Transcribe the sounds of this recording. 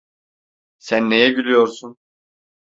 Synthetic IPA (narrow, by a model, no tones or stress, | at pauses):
sænːe̞jɛɟylʲyjo̞ɾsun